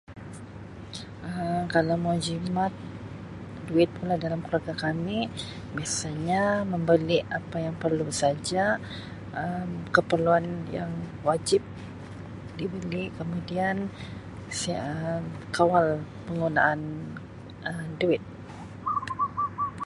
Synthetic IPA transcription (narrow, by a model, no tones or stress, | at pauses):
ʔəkalawmod͡ʒimat̪̚ | duɪt̪̚pulahdalamkulaɡakami | biasaɲaməmbəliapajaŋpərlusad͡ʒa | ʔəmkəpərluanjaŋwad͡ʒɪp̚ | dibəlikəmudian | səkawal | pəŋɡunaʔan | əduɪt̪̚